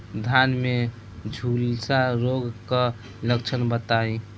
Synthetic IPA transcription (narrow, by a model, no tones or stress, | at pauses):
d̪ʱanme | d͡ʒʱulsaɾoɡk | ləkt͡ʃʰənbət̪ai